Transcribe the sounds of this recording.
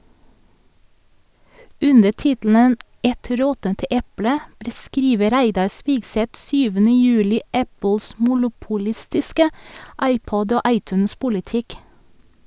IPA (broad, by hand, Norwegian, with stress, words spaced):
ˈʉnə ˈtɪtl̩nən ˈɛt ˈɾɔtənt ˈʔɛplə bɾəˈskɾiːʋə ˈɾæɪdɑ ˈspiːɡˌsɛt ˈsyːʋənə ˈjʉːlɪ ˈʔæpl̩s mʊlʊpʊˈlɪstɪskə ˈɑɪˌpɔd ˈoː ˈɑɪˌtʉːnˌspʊlɪˌtɪk